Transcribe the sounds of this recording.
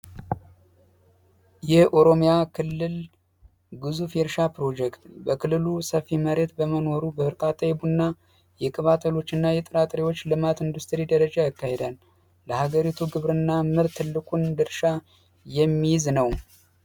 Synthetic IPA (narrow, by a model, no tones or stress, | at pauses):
jɛhʔo̞ɾo̞mijakʰɨlːɨl | ɡɨzufjɛɾʃapɾo̞d͡ʒɛkt̪bəkʰɨlːɨlusəfːiməɾe̞t̪bəməno̞ɾubəɨɾkʼat̪ʼːəjbunːa | jɛkʼɨβat̪ʰʼəlo̞t͡ʃːɨnːajɛt̪ʼɨɾat̪ʼɾiwo̞t͡ʃːlɨmat̪ɨnd̪ust̪ʰɾid̪əɾəd͡ʒajakːahe̞d̪an | ləhaɡəɾit̪ʰuɡɨβɾɨnːamɨɾt̪ʰːɨlːɨkʼund̪ɨɾʃa | jɛmːijznəw